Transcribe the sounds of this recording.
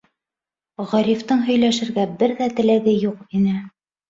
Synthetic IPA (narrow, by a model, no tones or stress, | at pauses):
ʁɑɾʲift̪ɤɴɦɵ̆jlæʃɘ̆ɾɡæbɘɾðæt̪ɘ̆læɡɘjuqinɘ